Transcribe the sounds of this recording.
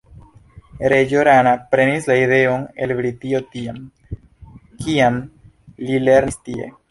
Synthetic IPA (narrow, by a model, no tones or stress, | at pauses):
ɾed͡ʒoɾanapɾenislaiðe̞onelβɾit̪iot̪iam | kiam | lileɾnist̪iḛ